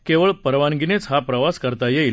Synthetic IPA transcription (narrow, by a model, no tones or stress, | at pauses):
keʋəɭpəɾʋanɡinet͡sɦapɾəʋaskəɾt̪ajeil